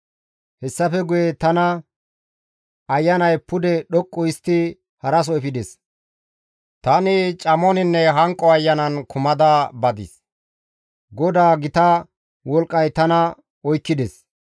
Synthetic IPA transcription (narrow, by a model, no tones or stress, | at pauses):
hɛsːɐfɛɡʊjɛt̪ɐnɐ | ɐjːɐnɐjpʊd̪ɛɗɔkʼːʊɪst̪ːɪ | hɐɾɐs̬ɔjfɪd̪ɛs | t̪ɐnɪt͡ʃʼɐmɔnɪnːɛɦɐŋkʼːɔɐjːɐnɐnkʰʊmɐd̪ɐbɐd̪ɪ̰s | ɡɔd̪aːɡɪt̪ɐ | wɔlkʼːɐjt̪ɐnɐ | ɔjkːɪd̪ɛs